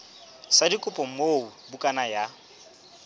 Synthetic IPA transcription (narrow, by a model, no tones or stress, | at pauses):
sadikʼʊpʼɔm̩moubukʼanaja